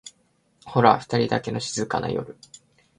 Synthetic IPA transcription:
ho̞ɾaɸɯ̟̥t̪aɾʲid̪ake̞no̞ɕizɨkana̰jo̞̰ɾɯ̟

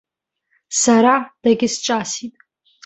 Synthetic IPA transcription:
saɾad̥aɡʲɪst͡ʃʼasitʼ

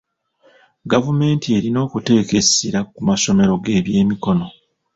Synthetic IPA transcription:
ɡavume̞ːntie̞ɾino̞ːkute̞ːke̞siɾakumaso̞me̞ɾo̞ɡe̞ːβje̞ːmiko̞no̞

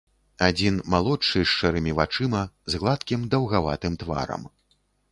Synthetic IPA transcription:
ad͡zʲinmalˠɔt͡ʂːɨʂt͡ʂɛɾɨmʲivat͡ʂɨmɐzɣlˠat̪kʲimd̪ɐwɣava̰t̪ɨmt̪va̰ɾɐ̰m

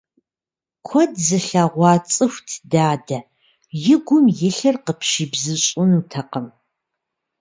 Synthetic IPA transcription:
kʷʰɔdzɨɬaːʁʷɑːt͡sʼɨxʷtʰdaːdɐ | jɪɡʷʊmjɪɬɐrqəpʰʃiːbzɨɕʼʊnuːtʰɐqəm

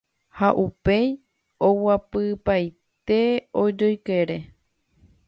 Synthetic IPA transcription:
haʔupe̞j | owapɨpaj | t̪e̞od͡ʒojke̞ɾe̞

